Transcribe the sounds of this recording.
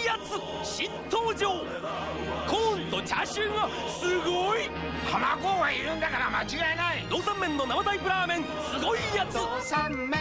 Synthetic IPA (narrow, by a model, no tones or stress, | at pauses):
jat͡sɨ | ɕint̪ʰoːd͡ʑoː | kʰont̪ot͡ɕaɕɯːɡa | sɨɡoi | hamakoːɡaiɾɯnd̪akaɾamat͡ɕiɡaenaid̪oːsamːẽ̞nːonamat̪aipɯ̟ɾaːmẽ̞n | sɨɡoijat͡sɨ